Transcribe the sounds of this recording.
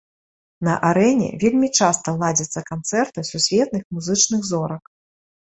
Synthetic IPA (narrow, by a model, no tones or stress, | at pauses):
nɐʔaɾɛnʲɛ̰vʲelʲmʲit͡ʂast̪ɐlˠad͡zʲɐt̪sːɐkant̪sɛrt̪ɨsusʲvʲɛt̪̚nɨxmuzɨt͡ʂnɨɣzɔɾɐk